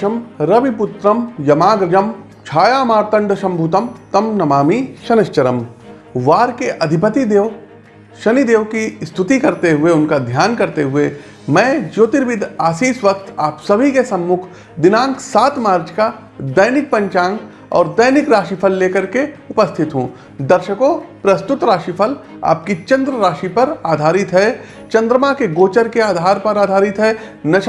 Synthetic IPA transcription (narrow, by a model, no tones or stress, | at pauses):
ɐmɾɐbipʊt̪ɾəmjɐmaːɡɾɪd͡ʒəm | t͡ʃʰaːjaːmaːɾt̪ə̃ɳɖʃɐ̃mbʱut̪əmt̪ɐmnɐmaːmiʃɐnɐʃt͡ʃɐɾəm | ʋaːɾkeʔɐd̪ʱɪpət̪id̪eːʋ | ʃɐnid̪eːʋkist̪ʰʊt̪ikɐɾt̪eɦʊeʊnkad̪ʱjaːnkɐɾt̪eɦʊe | mɛ̃ːd͡ʒoːt̪ɪɾʋɪd̪ʱaːsiːsʋɐk̚t̪ʰaːpsɐbʱikesɐ̃mːʊkʰ | d̪ɪnãːŋksaːt̪maːɾt͡ʃka | d̪ɐjnɪk̚pɐ̃ɲt͡ʃãːŋɡ | ɔ̰ːɾd̪ɐjnɪkɾaːʃipʰəlːeːkəɾkeʊpəst̪ʰɪt̪ɦũː | d̪ɐɾʃəkopɾɐst̪ʊt̪ɾaːʃipʰəl | a̰ːp̚kit͡ʃɐ̃nd̪ɾəɾaːʃipɐɾaːd̪ʱaːɾɪt̪ɦɛ | t͡ʃɐ̃nd̪ɾəmakeɡoːt͡ʃəɾkeaːd̪ʱaːɾpɐɾaːd̪ʱaːɾɪt̪ɦɛ | nɐʃ